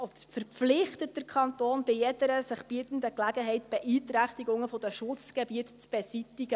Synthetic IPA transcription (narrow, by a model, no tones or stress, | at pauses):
ɔd̥̪əɾfəɾflɪχtət̚d̥əɾkʰχɑntoːnb̥ɪjɛdəɾəsɪχb̥iətn̩dəklæɡəɦɛɪt̚b̥ɛʔiːtɾæχtiɡʊŋəfɔd̥əʃʊt͡sɡ̥ɛbiətt͡sb̥esitːiɡə